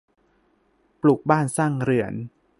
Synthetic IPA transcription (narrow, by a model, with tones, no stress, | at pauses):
plu˨˩k̚baː˥˩nsaː˥˩ŋɾɯ˩˦ən